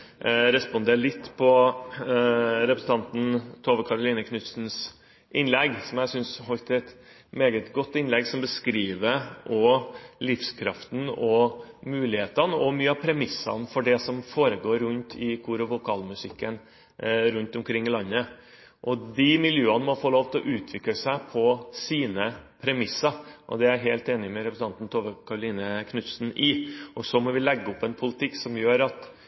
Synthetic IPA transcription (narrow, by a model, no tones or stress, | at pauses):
ɾɛspʊnd̪eːɾɭɪt̪ːpʰɔ | ɾɛpɾəsn̩t̪ɑnt̪n̩t̪ʰoːʋəkʰɑɾʊliːnəkʰnʉt̪sn̩s | ʔɪnlɛɡsɔmjæsʏnsɦɔlt̪ɛt̪ | meːɡət̪ɡɔt̪ːɪnlɛɡsɔmbəskɾiːʋəʔɔlɪfskʰɾɑ̰ft̪n̩ɔmʉːlɪheːt̪ɑnəɔmyːəɑpʰɾɛmɪsːɑ̰nfɔɖɛsɔmfoːɾəɡoːɾːʉnt̪ʰɪkʰʊɾɔʋʊkʰɑːlmʉsɪkːən | ɾʉnt̪ʊmkʰɾɪŋːɪlɑnːə | ʔɔd̪ɪmɪljøːənəmɔfɔɭoːʋt̪ɔʔʉːt̪ʰʋɪkləsæɪpʰɔsiːnəpʰɾɛmɪsɑɾʔɔ̰d̪ɛæɾɦeːlt̪eːnɪmɛɾɛpɾsn̩ɑnt̪n̩t̪ʰoːʋəkʰɑɾʊliːnəkʰnʉt̪sn̩ɪʔɔsɔmɔʋɪlɛɡːəʊpːɛnpʰʊlət̪ʰɪkːsɔmjøːɾɑt̪